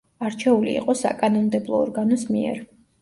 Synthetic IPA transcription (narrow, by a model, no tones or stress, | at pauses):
aɾt͡ʃʰɛulḭḭqʼɔsa̰kʼanɔmd̪ɛblˠɔːɾɡanɔsmiɛ̰ɾ